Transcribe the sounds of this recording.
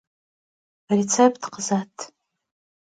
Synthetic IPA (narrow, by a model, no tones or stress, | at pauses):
rit͡sʰepʰʼtqʰəzatʰʼ